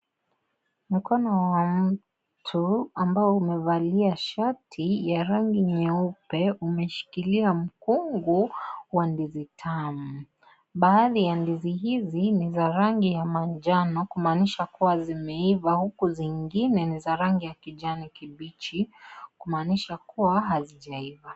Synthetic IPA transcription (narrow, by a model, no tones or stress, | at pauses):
m̩kɔnɔwam̩ | tʰuambaɔumɛvaliaʃatʰijaɾaŋɡiɲɛupɛumɛʃi̥kiliam̩kuŋɡuwandizitʰamu | ɓaːðijandizihizinizaɾaŋɡijamand͡ʒanɔkumaːniʃakuwazimɛivahukuziŋɡinɛnizaɾaŋɡijakiʄanikiɓit͡ʃikumaːniʃakuwaɦaziʄaiva